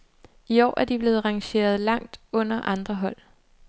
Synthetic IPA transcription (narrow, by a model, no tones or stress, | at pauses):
iɒ̰ːʔæɐd̥ib̥le̝ːð̞̩ˠʁɑ̈ŋɕe̝̰ːɐð̞ˠlɑ̈ŋ̰d̥ɔ̽n̰ɐʔɑ̈nd̥ʁɐɦɒ̽l̰